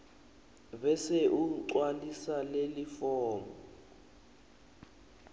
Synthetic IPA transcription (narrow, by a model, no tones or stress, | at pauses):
βɛsɛʔuǀwalisalelifɔːmɔ